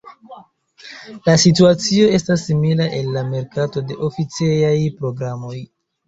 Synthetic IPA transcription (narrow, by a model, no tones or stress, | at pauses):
lasituat͡sio̞e̞stasːimilaʔe̞lːame̞ɾkato̞de̞ʔo̞fit͡sejajpɾo̞ɡɾamo̞j